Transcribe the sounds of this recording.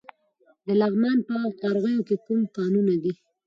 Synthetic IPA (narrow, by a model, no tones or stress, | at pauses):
d̪əlaɣmɑnpəqɑɾɣəjokekumkɑnunad̪i